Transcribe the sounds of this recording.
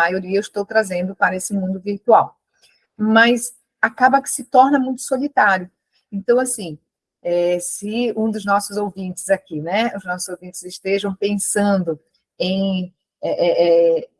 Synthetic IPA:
ajoɾiɐewɪʃt̪owt̪ɾazẽnd̪ʊpaɾɐesɪmũd̪ʊviɾt̪uaw | mɐs | akabɐkɪ̥sɪt̪ɔɾnɐmũj̃t̪ʊ̥solit̪aɾjʊ | ẽnt̪ɐ̃w̃asĩ | ɛsɪũd̪ʊznɔsʊzowvĩt͡ʃɪzakinɛʊznɔsʊzowvĩnt͡ʃɪzɪʃt̪eʒɐ̃w̃pẽsɐ̃nd̪ʊ | ẽj̃ | ɛʔɛʔɛ

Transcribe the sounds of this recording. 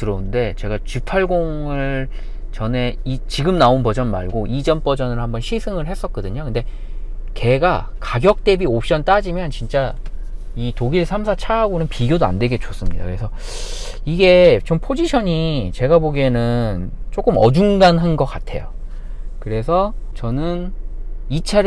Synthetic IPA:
tɯɾʌnde̞t͡ɕe̞ɡat͡ɕipʰaɭɡoŋɯɭ | t͡ɕʌne̞it͡ɕiɡɯmnaonpʌd͡ʑʌnma̰ɭɡoʔid͡ʑʌnp͈ʌd͡ʑʌnɯɭhambʌnɕʰisʰɯŋɯɭhe̞s͈ʌk̚k͈ʌdɯɲokɯnde̞ | ke̞ɡakaɡjʌk̚t͈e̞biop̚ɕ͈ʌnt͈ad͡ʑimjʌnt͡ɕint͡ɕ͈a | itoɡiɭsʰamsʰat͡ɕʰaːɡonɯnpiɡjodoa̰ndwe̞ɡe̞t͡ɕos͈ɯmɲḭda̰kɯɾesʰʌ | iɡe̞t͡ɕompʰod͡ʑiɕʰʌɲit͡ɕe̞ɡaboɡenɯnt͡ɕ͈ok͈ɯmʌ̰d͡ʑuŋɡanɦanɡʌk͈atʰe̞̰jo̰ | kɯɾe̞sʰʌt͡ɕʌnɯn | it͡ɕʰaɾ

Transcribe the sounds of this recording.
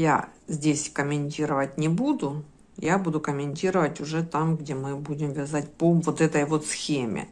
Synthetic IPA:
ja̰zʲdʲesʲkəmʲɪnʲtʲiɾəvət̚ʲnʲɪbud̪ʊ | jabud̪ʊkəmʲɪnʲtʲiɾəvətʲʊʐɛt̪amɡdʲemɨbudʲɪmvʲɪzatʲpovot̪ɛt̪əjvo̞t̪sxʲemʲɪ̰

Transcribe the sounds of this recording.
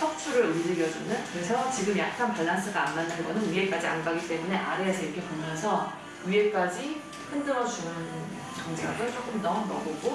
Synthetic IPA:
sʰʌk̚t͡ɕʰuɾɯɾumd͡ʑɯɡjʌd͡ʑunɯnkɯɾe̞sʰʌt͡ɕiɡɯmjak̚k͈anpaɭːans͈ʰɯɡaːnːanːɯnɡʌnɯniek͈ad͡ʑia̰nbaɡit͈e̞mune̞ʔaɾe̞asʰʌikʰe̞pomjʌnsʰʌ | iek͈ad͡ʑi | ɸɯndɯɾʌd͡ʑunɯn | t͡ɕʌŋd͡ʑʰaɡɯɭt͡ɕ͈ok͈ɯmnʌnʌɡoɡo

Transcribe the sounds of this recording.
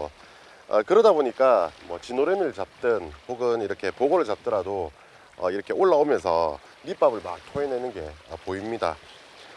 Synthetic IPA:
ʌ̰kɯɾʌdaboɲik͈amwʌ̰t͡ɕinoɾemiɯɭt͡ɕap̚t͈ɯnɸoɡɯniɾʌkʰe̞poɡoɾɯɭt͡ɕap̚t͈ɯɾado | ʌ̰iɾʌkʰe̞oɭːaomjʌnsʰʌ̰ | nip͈abɯɭma̰k̚tʰoinenɯnɡe̞ʌ̰poimɲida̰

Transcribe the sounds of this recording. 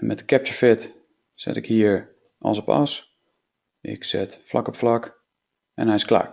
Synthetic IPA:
mɛtkɛp̚təɹfɪt | sɪ̰tɪkhiːəɹ | ʔɑ̰lˠsɔpɔ̰s | ʔɪ̰ksɪtfla̰kɔpflak | ɛ̰nhɛjɪskla̰ːɹ

